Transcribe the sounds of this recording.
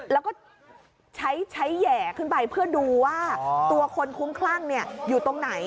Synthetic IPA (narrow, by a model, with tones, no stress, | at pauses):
lɛː˦˥wkɔː˥˩ | t͡ɕʰa˦˥jt͡ɕʰa˦˥jːɛː˨˩kʰɯ˥˩npa˧jpʰɯ˥˩ɐduː˧waː˥˩t̪u˧ɐkʰo˧nkʰu˦˥mkʰlaː˥˩ŋni˥˩ɐjuː˨˩t̪o˧ŋna˩˦j